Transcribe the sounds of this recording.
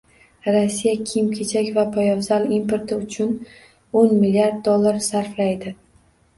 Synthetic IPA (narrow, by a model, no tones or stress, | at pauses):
ɾasːijakʲʰimkʲʰet͡ʃʰakʲvapʰajɒvzalimpʰo̞ɾt̪ʰɪʊt͡ʃʰʊn | onmɪlːiaɾd̪̚ːolˠːaɾsaɾflajd̪ɪ